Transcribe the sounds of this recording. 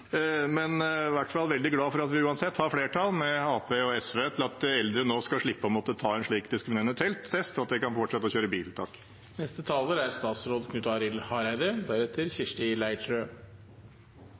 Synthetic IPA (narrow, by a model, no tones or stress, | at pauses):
mɛnʋæʈfɑlʋɛld̪ɪɡlɑːfɔɾɑt̪ʋɪʉːɑnsɛt̪ːhɑɾfleːʈʰɑlˠmɛɑːpeːɔɛsʋeːt̪ʰɪlɑt̪̚d̪ɛɛld̪ɾənoːskɑʂɭɪpːəɔmɔt̪ət̪ʰɑːɛnʂɭiːkd̪ɪskɾɪmɪneːɾənət̪ʰɛlt̪tʰːɛst̪ɑt̪̚d̪ɛkɑnfɔʈʂɛt̪ːəɔçøːɾəbiːlt̪ʰɑ̰ːk | nɛst̪ət̪ʰɑːləɾæɾst̪ɑːt̪sɾoːd̪kʰnʉt̪ɑɾɪlhɑɾæɪd̪əd̪æɾɛt̪ʰːəɾçɪʂʈɪlæɪʈɾø